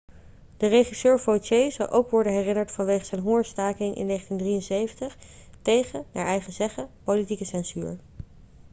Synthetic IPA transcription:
d̥əreχisøːɹvot͡ʃejzɑ̰lˠʔo̰wkʋɔɹdənɦɛrɪnəɹtfɑnʋejχəzɛjnɦʊɹstaːkɪŋʔɪ̰nːejχəntindrijənsejvəntəχ | tejχəna̰ːɹɛjχəzɛχəpolitikəsɛnzyːɹ

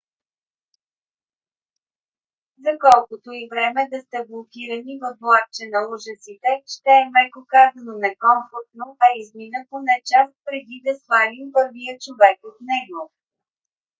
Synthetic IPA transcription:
zɐkɔlˠkʊt̪oivɾɛmɛd̪ɐst̪ɛblˠokʲiɾɐnivod̪lˠak̚t͡ʃɛnɐuʒəsit̪ɛʃt̪ɛɛmɛkokazɐnonɛkɔɱfoɾt̪noɛizminət̪onɛt͡ʃast̪̚pɾɛd̪id̪ɐsvanimpɤɾvijət͡ʃovɛkot̪nɛɡo

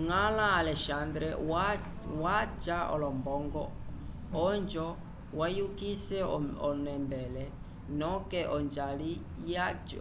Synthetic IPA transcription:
ŋalaːlɛʃand̪ɾɛ | wat͡ʃaɔ̰lɔmbɔŋɡɔ | ɔnd͡ʒɔ | wajukisɛɔɔnɛmbɛlɛ | nɔkɛʔɔnd͡ʒali | jat͡ʃ

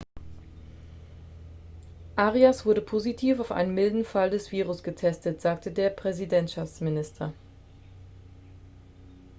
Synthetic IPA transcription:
ʔaːʁiasv̥ʊɐɾəpʰoːzitʰiːfaʊfʔa̰ɪnəmɪldn̩faldɛsv̥iːʁʊsɡ̥ətʰɛstətz̥aːk̚tʰədeːɐpʁ̥ɛzidɛntʃaft͡smɪnɪstʰɐ

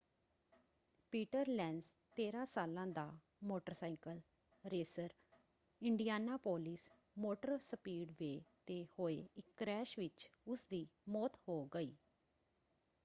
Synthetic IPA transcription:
piːʈəɾlɛːns | t̪eːɾãːsaːlãːd̪aː | moːʈəɾsaːɪkəl | ɾeːsəɾ | ɪɳɖijaːnaːpoːlɪs | moːʈəɾsəpiːɖʋeːt̪eːhoːeːɪkːɾɛːʃʋɪt͡ʃʊsd̪iːmɔːt̪hoːɡəiː

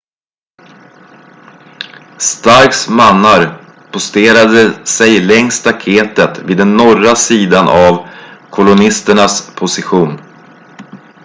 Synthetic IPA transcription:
st̪aɾksmanːaɾ | pʰʊst̪eːɾad̪əsɛjlɛŋst̪ʰakʰeːt̪ət̪viːd̪ːɛnːɔrasiːd̪anʔavkʰɔlʊnɪst̪əɳaspʰʊsɪɧuːn

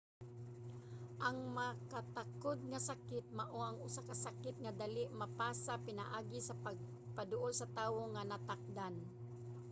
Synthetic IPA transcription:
ʔɐŋmakat̪akod̪̚ŋasakɪt̪̚maʔoʔaŋʊsakasakɪt̪̚ŋad̪alɪʔmɐpaːsapɪna̰ʔaːɡɪsapaɡ̚ | pad̪ʊʔolsɐt̪aːwoŋanat̪ak̚d̪an

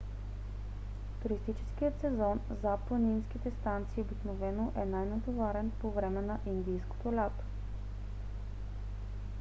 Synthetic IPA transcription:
t̪ʊɾist̪it͡ʃɛ̥sk̟ijət̪sɛzɔn | zaplˠəninsk̟it̪ɛst̪ant̪siːobiknovɛnoʔɛnajnɐt̪ovaɾɛnpovɾɛmɛnɐʔind̪ijsko̥t̪olʲat̪o̥

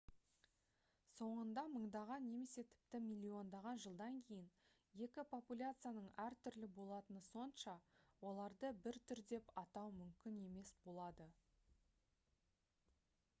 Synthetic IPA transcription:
so̞ɴənd̪ɑməɴd̪ɑʁɑnːe̞me̞se̞t̪ʰɪ̥p̚t̪ɪmʲilʲːio̞nd̪ɑʁɑnʒəlˠd̪ɑŋkʲʰe̞jɪn | je̞kʲɪpʰo̞pulʲat̪sɨjanəɴæɾt̪ʰʏɾlɪbo̞lˠɑt̪ənəso̞nʃɑwo̞lˠɑɾd̪əbɪɾt̪ʰʏɾd̪e̞pɑt̪ɑwmʏmkʲɪne̞me̞sbo̞lˠɑd̪ə

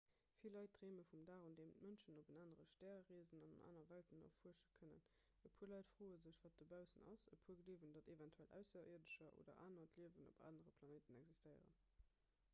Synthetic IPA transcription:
filːɑɪt̚dʁeːməfumdaːʁundeːmətmənʃənobənaːnəʁəʃtɛːʁiəzənɑnɑ̰nʔa̰ːnɐvæltəno̰ffuəʃəkʰənə̰n | əpʰuəlɑɪtfʁ̥oːəzəɕvaːt̚dəbæʊsənɑ̰səpʰuəɡəliəvəndɑtevɛntʰwælʔæ̰ʊsɐʔḭɐdəʃɐʔo̰ːdɐ̰ʔaːnɐtliəvəno̰pa̰ːnəʁəpʰlɑneːtənɛɡzistəɪə̰ʁə̰n

